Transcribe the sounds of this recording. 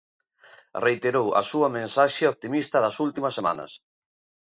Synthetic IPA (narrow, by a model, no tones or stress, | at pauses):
rejt̪eɾowɐ̰suɐmẽnsaʃeop̚t̪imist̪ɐðɐsult̪imɐsːema̰nɐ̰s